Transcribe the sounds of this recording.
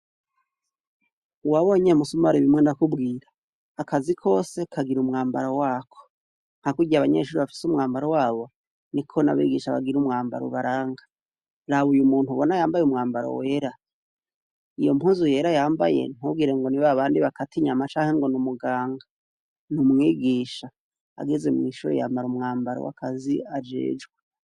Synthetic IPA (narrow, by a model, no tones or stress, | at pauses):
uwaβoːɲe̞musumaɾiβimŋe̞ndakubɡiːɾaː | kazikʰo̞ːse̞kʰaɡiɾumŋaːmbaɾowaːkʰo̥ | n̥hakuɟiaβaɲḛʃuːɾiβafi̥sumŋaːmbaɾowaːβo̞ | nikʰo̞na̰βḭɡiʃaβa̰ɡiɾumŋaːmba̰ɾṵβaɾaːŋɡa | ɾaβujumuːntuβonajaːmbajumŋaːmbaɾo̰weɾa | ijo̞̰muːnzuje̞ɾajaːmba̰je̞̰n̥huɡiɾeŋɡo̞niβaβaːndiβakatiɲamat͡ʃaːŋhe̞ŋɡo̞numuɡaːŋɡa | numŋiːɡiʃa̰ː | ɡeze̞mŋiːʃuɾejaːmbaɾumŋaːmbaɾo̰wa̰kʰaziad͡ʒe̞̰ːd͡ʒɡwe